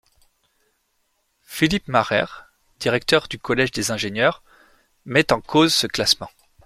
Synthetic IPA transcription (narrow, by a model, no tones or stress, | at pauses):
filipmaʁɛ̰ʁ | d̪̥iʁɛk̚t̪œʁd̪ykɔlɛʒd̪ezɛ̃ʒenjœʁ | mɛt̪ɑ̃kʰozsəklasmɑ̃